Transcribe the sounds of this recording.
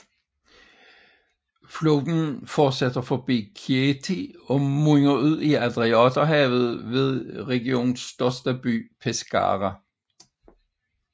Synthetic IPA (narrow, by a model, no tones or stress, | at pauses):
floːd̥n̩fɒ̥ːsæd̥ɐfɒb̥ḭːkʰiet͡sʰiɒ̽muŋɐuð̰ˠiæd̥ʁiɒd̥ɐɦɛ̰ð̞̩ˠʋe̝ð̞ˠʁɛɡ̥io̝̰ːnn̩sːd̥ɶɐsd̥əb̥y̰ːpʰesɡ̥ɑ̰ːʁæ